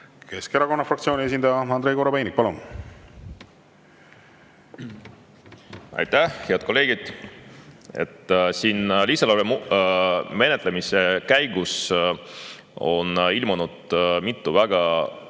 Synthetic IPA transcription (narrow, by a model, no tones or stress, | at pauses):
ke̞skeɾɑko̞nːɑfrɑkt̪sio̞ːnʲie̞s̬ʲind̪ɑjɑɑnd̪ɾe̞jko̞ɾobejnik̚pɑlun | ɑ̰jt̪æhheɑd̪̥̚kʰo̞lːe̞ːɡ̥id̪̥ | e̞̰t̪ːˑsiːnlisɑlɑɾem | me̞ne̞t̪le̞mise̞kæjɡ̥us | o̞̰nilmunud̪̥mit̪ˑːuvæɡ̥ɑ